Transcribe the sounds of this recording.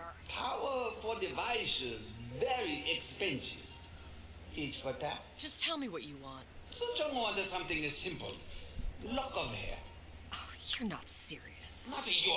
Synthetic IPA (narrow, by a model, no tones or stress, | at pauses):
pʰaʊəfɔdɪvaɪʃəzvɛɹiʔɛkspɛ̃nsɪ̰v | tid͡ʒfətʰḁʒ̥ʌstʰɛlˠmiwʌt͡ʃɨwɑ̃nt̚sod͡ʒõŋoʌ̃ndəsʌ̃mθɪ̃ŋɨzsɪ̃mpə̰lˠ | lɔkɔvəhɛ̰ | ʔoʊjə˞nə̰tsɪɹḭɨsnatəjɔ